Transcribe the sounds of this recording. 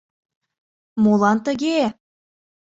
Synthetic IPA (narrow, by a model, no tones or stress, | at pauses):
molˠɑnt̪ə̆ɣe